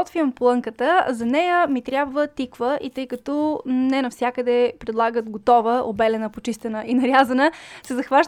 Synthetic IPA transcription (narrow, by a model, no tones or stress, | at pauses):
ɔt̪viɐmpolˠɤŋkət̪əzɐnɛjəmit̪ɾʲjabvət̪ikvəʔit̪ɤjkɐt̪ɔnɛnɐfsʲjakəd̪ɛpɾɛd̪lˠaɡət̪ɡot̪ɔvəʔobɛlɛnəpot͡ʃist̪ɛnəinɐɾʲjazɐnəsɛzɐxvaʃ